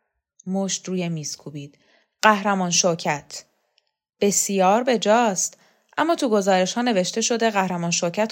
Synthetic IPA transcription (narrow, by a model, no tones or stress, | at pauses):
moːʃt̪ɾuːjemiːskʰubiːd̪̥ | ɢæhɾæmɒːnʃocʰæt̪ʰ | b̥e̞sjɒːɾbe̞d͡ʒɒːst̪ | ʔæmːɒːt̪ʰuɡo̞zɒːɾe̞ʃhɒːne̞ve̞ʃt̪e̞ʃo̞d̪e̞ɣæhɾæmɒːnʃocʰæt̪